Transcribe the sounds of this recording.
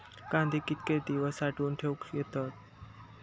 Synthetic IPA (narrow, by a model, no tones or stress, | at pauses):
kãnd̪ʱikit̪̚ket̪iʋəsaʈuːnʈ̪ʰewkjet̪ət̪̚